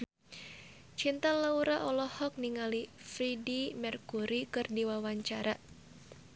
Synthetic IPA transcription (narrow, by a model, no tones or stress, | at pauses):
t͡ʃint̪alauɾaʔɔlɔhɔk̚niŋalifɾidimɛrkuɾikɨrdiwawaɲt͡ʃaɾa